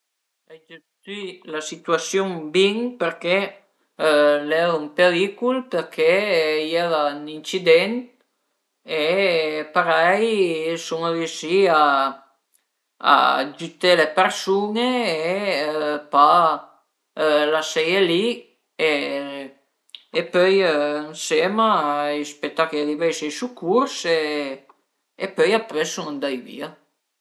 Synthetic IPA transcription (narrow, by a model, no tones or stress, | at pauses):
ed͡ʒest̪ilasit̪yasjuŋbiŋpeɾke | lɛuŋpeɾikulpeɾkʰejeɾanint͡ʃid̪ɛn | epaɾɛjsuŋaɾjuʃia | d͡ʒyt̪elepersunee | pa | ølasɛjeli | e | epœjøaŋsemaispet̪ːakealivɛjsejsukːuɾse | pœjapɾesuŋand̪ajvḭa